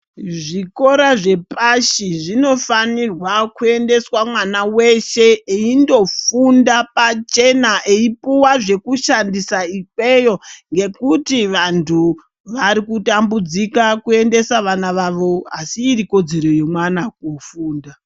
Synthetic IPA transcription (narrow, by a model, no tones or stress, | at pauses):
ʐiko̞ɾaʐe̞paʃiʐino̞fanirwakue̞nde̞swamwanawe̞ʃe̞eindo̞fundapat͡ʃe̞naʔeipuwaʐe̞kuʃandisaikwe̞jo̞ŋɡe̞kutiʋantʰu | ʋaɾikutambud͡zikakue̞nde̞saʋanaʋaʋo̞asiːɾiko̞d͡ze̞ɾo̞je̞mwanak̚ufuːnda